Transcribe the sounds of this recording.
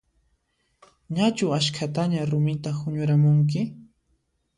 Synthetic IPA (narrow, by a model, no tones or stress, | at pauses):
ɲat͡ʃʊaʃkʰat̪aɲaɾʊmɪt̪ahʊɲʊɾamʊŋk̬ɪ